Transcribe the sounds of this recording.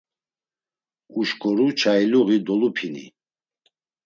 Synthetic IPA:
uʃkʰɔɾut͡ʃʰailuɣid̪ɔlupʰinḭ

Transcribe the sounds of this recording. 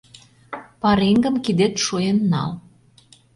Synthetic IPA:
pɑɾeŋɡə̆mkid̪et̪ʃujenːɑ̰l

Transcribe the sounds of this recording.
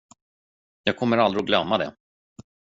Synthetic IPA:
jɑːɡ̚kʰɔmːəɾald̪ɾɪɔɡlœmːad̪ɛ̰

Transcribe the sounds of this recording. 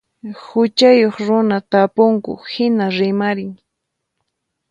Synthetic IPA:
hʊt͡ʃajoχɾʊnat̪apʊŋkʊ̰hɪnaɾɪmaɾɪŋ

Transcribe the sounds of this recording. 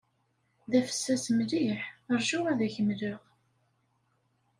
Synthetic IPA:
ðæfə̥sːæsmliħəɾˤʒuʁæðæçəmləʁ

